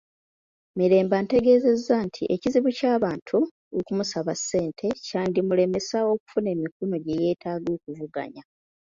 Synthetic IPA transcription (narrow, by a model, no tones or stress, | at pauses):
miɾe̞ːmbante̞ɡe̞ːze̞zːantʰiʔeciziβucaːβaːntʰu | okumusaβasːe̞ːntʰe̞caːndimule̞me̞sao̞ku̥fune̞ːmikuno̞ɟe̞je̞ːtʰaːɡo̞ːkuvuɡa̰ɲa